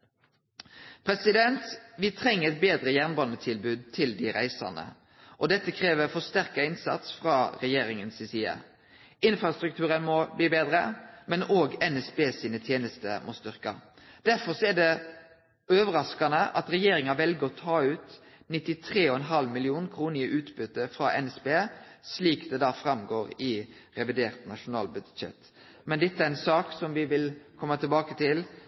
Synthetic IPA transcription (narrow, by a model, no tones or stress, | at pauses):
pʰɾɛsɪd̪ɛnt̪ʋɪt̪ʰʁɛŋːəɾɛt̪̚beːd̪ʁəjæʁnbɑnːət̪ʰɪlbʉːd̪̚t̪ʰɪld̪ɪɾæɪsɑ̰nə̰ | ʔɔd̪ɛt̪ːəkʰʁeːʋəfɔst̪æʁkɑɪnsɑ̰t̪sfʁɑːʁɛjeːɾɪŋənsɪsiːɑ̰ | ɪnfɾɑst̪ɾʉkt̪ʰʉːɾənmɔbliːbeːd̪ɾəmɛnoːɡɛnɛsbeːsiːnət̪ʰjeːnəst̪əmɔst̪ʏʁkɑ̰ | d̪̥æɾfɔɾsɔæɖɛ | øːʋəɾɑskɑnəʔɑ̰t̪ɾɛjeːɾɪŋɑʋɛlɡəɾɔt̪ʰɑːʉːt̪ | nɪt̪ːɪt̪ʰɾeːɔɛnɦɑlmɪlɪuːnkʰɾuːnəəʔʉːt̪bʏt̪ːəfɾɑʔɛnɛsbeːsliːkd̪ɛd̪ɑːfɾɑmɡoːɾɪ | ɾɛʋɪd̪eːɾt̪nɑʂʊnɑ̰ːlbʏd̪ʃɛ̰t̪ | mɛnd̪ɛt̪ːəæɾɛnsɑːksɔmʋɪʋɪlkʰɔmːət̪ʰɪlbɑːkət̪ʰɪl